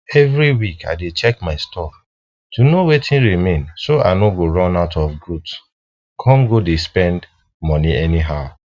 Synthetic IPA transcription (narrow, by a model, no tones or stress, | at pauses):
ɛvɾiwikʰa̰ɪdet͡ʃɛkmaɪstʰɔf | tunowetĩnɹimẽnsoa̰ɪnoɡoɹɔ̃naʊtɔfɡɹuts | kʰɔ̃mɡodespɛ̃nd | mɔ̃niɛniɦaʊ